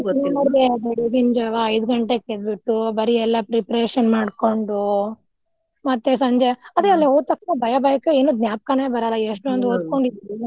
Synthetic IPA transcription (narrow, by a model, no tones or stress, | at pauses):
nɐɾebɐɽiɡiɲd͡ʒɐʋaɐjd̪ɡɐɳʈeked̪̚biʈːubɐɾiɛlːɐpɾipɾeːʃɐnmaːɽko̞ɳɖu | mɐt̪ːes̬ɐɲd͡ʒeɐd̪ɾeɐlːeoːd̪̚t̪ɐkt͡ʃnobʱɐjɐbɐjɐkeeːnud̪njaːp̚kɐneːbɐɾɐlːɐeʂʈuɐnd̪oːd̪̚ko̞ɳɖid̪i